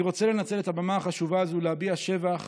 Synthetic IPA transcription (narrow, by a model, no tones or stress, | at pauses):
iʁo̞t͡selenat͡se̞le̞t̪habamaaχaʃuvaːzulehabiaʃe̞vaχ